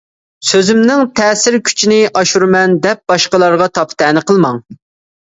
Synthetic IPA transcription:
søzymnɪŋt̪ʰɛːsɪɾkʲʰy̥t͡ʃʰinɪʔɑʃuɾɨmɛnd̪ɛp̚b̥ɑʃqəlˠɑɾʁɑt̪ʰɑpt̪ʰɛnɨqʰəlˠmɑŋ

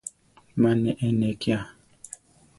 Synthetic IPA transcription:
manɛʔɛnɛkia

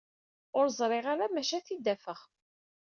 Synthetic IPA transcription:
ʊɾzˤɾˤɪʁaɾamæʃæθid̪ːæfəχ

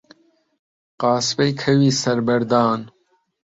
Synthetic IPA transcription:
qɑːsbɐjkʰɐwiːsɐɾbɐɾd̪aːn

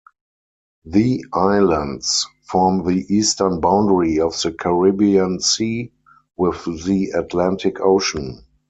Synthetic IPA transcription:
ðiʔaɪlə̃ndsfɔɔmðiʔiːstə˞nbãʊ̃ndəɹiɔfðəkʰəɹibiə̃nsiː | wɪððiatʰlæ̃ntʰɪkʰoʊʃə̃n

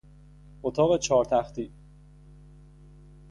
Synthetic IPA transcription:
ot̪ʰɒːɣe̞t͡ʃʰɒːɾt̪ʰæxt̪ʰiː

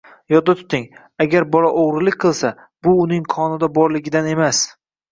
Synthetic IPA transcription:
jɒt̪̚d̪at̪ʰʊ̥t̪ɪŋ | aɡʲaɾbɒlˠaʔoʁɾɪlɪk̚ʲqʰɨlˠsa | b̥ʊːnɪŋqʰɒnɪd̪abɒɾlɪɡʲɪd̪ane̞mas

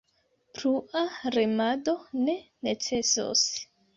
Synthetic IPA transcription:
pɾuaɾemado̞ne̞net͡se̞so̰s

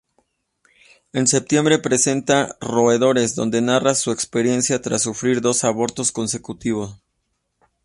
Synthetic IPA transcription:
e̞nse̞p̚t̪jembɾe̞pɾese̞nt̪aro̞eðo̞ɾe̞zðo̞̰nd̪e̞narasue̞kspe̞ɾje̞nsjat̪ɾasːufɾiɾðo̞saβo̞ɾt̪o̞sko̞nse̞kut̪iβ̞o̞s

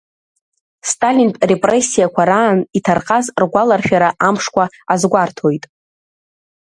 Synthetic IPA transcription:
stʼalinpʼre̞pʼre̞sːijakʷʰaɾaːnitʰarqʼazrɡʷalarʃᶣaɾaʔamʂkʷʰa | azɡʷartʰo̞jtʼ

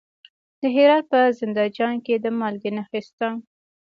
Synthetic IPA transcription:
d̪̥əɦeɾɑd̪̚pəzɪnd̪ɑd͡ʒɑnked̪əmɑlɡinaxɪst̪ɑn

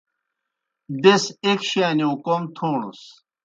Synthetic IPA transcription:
d̪esekɕaːniũkomt̪ʰoːɳṵs

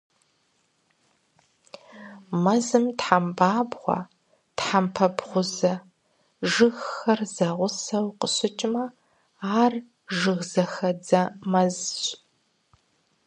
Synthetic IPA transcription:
mɐzɨmtħambaːbʁʷɑ̰ | tħampʰɐbʁʷʊzɐ | ʒɨxxɐrzɐʁʷʊsɐwqəɕɪt͡ʃʼɪmɐ | aːr | ʒɨɣzɐxɐd͡zɐmɐzɕʼ

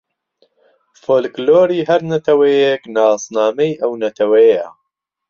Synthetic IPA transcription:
foːlkloːɾiːɦɐɾnɐt̪ʰɐwɐjeknɑːsnɑːmɐjʔɐwnɐt̪ʰɐwɐjjɐ̰

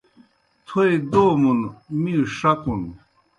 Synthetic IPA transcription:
t̪ʰoed̪oːmunmiuʂɐkun

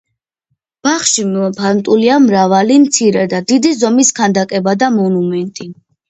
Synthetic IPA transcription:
b̥aχʃimpʰant̪ʼuliamɾavalimt̪sʰiɾɛd̪ad̪id̪izɔmiskʰand̪akʼɛbad̪amɔnumɛnt̪ʼi

